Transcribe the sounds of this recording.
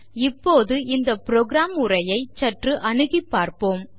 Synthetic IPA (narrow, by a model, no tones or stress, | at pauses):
ɪpːoːðɯɪnd̪ɐpɪɾoːɡɾaːmɯrɐjɐɪt͡ʃɐʈrɯʔɐɳɯɣɪpːaːɾpoːm